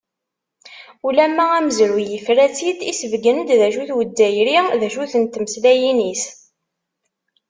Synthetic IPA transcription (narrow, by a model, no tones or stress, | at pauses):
ulæmːææməzɾujəfɾæt͡sːid̪isəvɡənd̪ðæʃuθwəd̪ːæjɾiðæʃuθənt̪məslæjinis